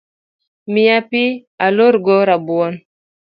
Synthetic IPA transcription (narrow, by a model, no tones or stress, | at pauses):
miapialoɾɡɔɾabuɔn